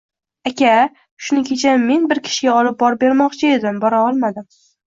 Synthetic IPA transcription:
akʲa | ʃʊnɪkʲʰe̞t͡ʃʰamːe̞nbɪɾkʲʰɪ̥ʃɪɡʲaɒlɪp̚bɒɾbe̞ɾmɒqt͡ʃʰɪe̞d̪ɪmbɒɾaɒlˠmad̪ɪm

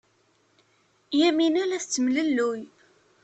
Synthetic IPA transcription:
jæminælæθt͡sːəmləlːuj

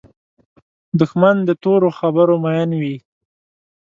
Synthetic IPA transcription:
d̪ʊxmand̪ət̪oɾoxabəɾomajɑnwi

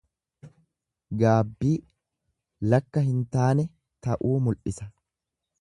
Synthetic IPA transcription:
ɡaːbːiː | lɐkːɐɦɪnt̪aːnɛ | t̪ɐʔuːmʊlʔɪsɐ

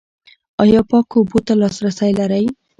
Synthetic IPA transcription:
ɑjɔpɔkobot̪alɑsɾasajlaɾaj

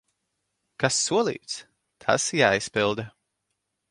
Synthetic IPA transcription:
kasːuɔlˠḭːt̪s | t̪ʰa̰sjaːjspilˠd̪a

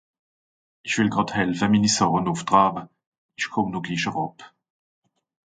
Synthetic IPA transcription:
ɪçv̥ɪlɡʁɑthɛlfəmiːnisɔʁənʊftʁɑːbə | iʃkʰɔmnuːɡliːʃəʁɔp

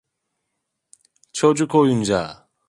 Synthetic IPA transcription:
t͡ɕʰod͡ʑukʰojumd͡ʑa̰

